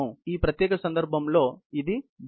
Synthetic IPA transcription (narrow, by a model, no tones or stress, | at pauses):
iːpɾɐt̪jɛːkɐsɐnd̪ɐɾbʱɐmlo̞ːid̪ib